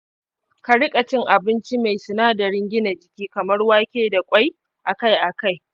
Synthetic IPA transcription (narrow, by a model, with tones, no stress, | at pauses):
ka˨ɽɪ˦kʼɐ˨t͡ʃɪ˦ŋʔa˨bɪ˦nt͡ʃi˦ma˨jsɪ˨naː˦da˨ɽɪ˦ŋɡʲɪ˦na˨d͡ʒɪ˨kʲiː˦kɐ˨mɐ˦rwaː˦kʲeː˦da˨kʷʼa˦j | ʔa˨ka˦jʔa˨ka˦j